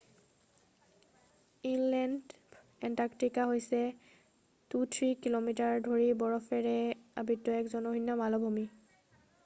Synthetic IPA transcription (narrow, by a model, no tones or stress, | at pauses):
inlɛnd | ɛntaktikaɦojsɛ | tutʰɹikilomitaɹdʱoɹibɔɹɔfɛɹɛa̰bitːɔɛkzɔnɔɦinːɔmalɔbʱumi